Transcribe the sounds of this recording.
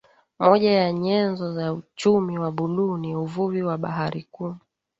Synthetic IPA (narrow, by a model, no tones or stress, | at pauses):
mɔʄajaɲɛnzɔzaut͡ʃumiwaɓuluniuvuviwaɓa̰ɦaɾikum